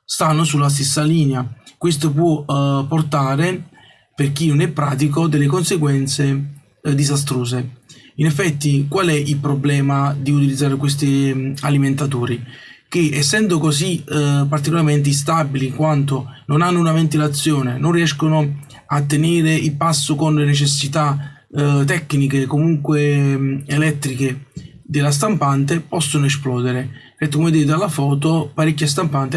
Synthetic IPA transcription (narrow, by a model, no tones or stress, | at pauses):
st̪anːosulːas̬t̪esːaliːneakwest̪opwɔpːort̪aːɾe | perkinonɛpːɾaːt̪̬ikod̪elːekonseɡwɛnt̪se | d̪izast̪ɾoːs̬einɛfːɛt̪ːikwalɛilpɾoblɛːmad̪iut̪̬ilid̪zːaːɾekwest̪ialiment̪at̪oːɾik̟eɛsːɛnd̪okosipːart̪ikolaɾment̪̬ɪist̪abiliːŋkwant̪ononanːʊunavent̪ilat̪sːjoːnenonriɛʃkono | at̪ːeneːɾeilpasːokonlenet͡ʃesːit̪a | t̪ːɛkːnikekːomuŋkweelɛt̪ːɾike | d̪elːas̬t̪ampant̪epɔsːonoɛsplɔːd̪eɾepeɾk̪ekomed̪iːɾd̪alːafɔːt̪opaɾikːast̪ampant̪e